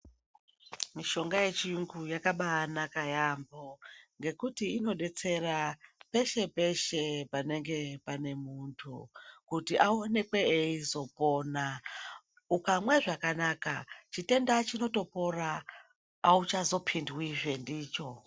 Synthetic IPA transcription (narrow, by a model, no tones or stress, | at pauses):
miʃo̞ŋɡaje̞t͡ʃijuŋɡujakaɓanakajambo̞ŋɡe̞kutiino̞ɗe̞t͡se̞rape̞ʃe̞pe̞ʃe̞pane̞ŋɡe̞pane̞muntʰṵkutiʔaone̞kwe̞eizo̞po̞ːna | ukamwe̞ʐakanaka̰t͡ʃite̞ndat͡ʃino̞to̞po̞raː | ut͡ʃazo̞pʰindwiʐe̞ndiːt͡ʃo̞